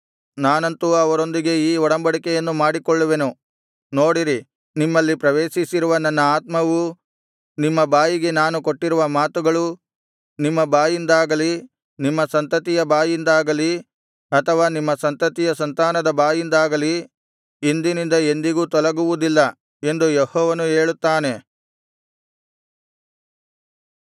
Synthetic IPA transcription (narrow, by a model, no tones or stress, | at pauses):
naːnɐnt̪uɐʋɐɾo̞nd̪iɡe̞iːɔɽɐmbɐɽikɛjɐnːumaːɽikɔɭːuʋe̞nu | noːɽiɾi | nimːɐlːipɾɐʋeːʃisiɾuʋɐnɐnːɐaːt̪mɐʋu | nimːɐbaːjiɡe̞naːnukoʈːiɾuʋɐmaːt̪uɡɐɭu | nimːɐbaːjind̪aːɡɐli | nimːɐsɐnt̪ɐt̪ijɐbaːjind̪aːɡɐli | ɐt̪ʰɐʋaːnimːɐsɐnt̪ɐt̪ijɐsɐnt̪aːnɐd̪ɐbaːjind̪aːɡɐli | ind̪inind̪ɐe̞nd̪iɡuːt̪ɔlɐɡuʋud̪ilːɐ | e̞nd̪ujehɔːʋɐnue̞ːɭut̪ːaːne̞